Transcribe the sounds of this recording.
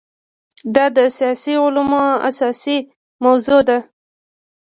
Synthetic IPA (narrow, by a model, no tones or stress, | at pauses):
d̪ɑd̪əsijɑsiʊlamɑa̰sɑsi | mawzod̪a